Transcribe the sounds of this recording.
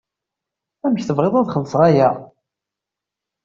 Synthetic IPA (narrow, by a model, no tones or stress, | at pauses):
æməçθəvʁeðˤæðχəlːsʁæjæ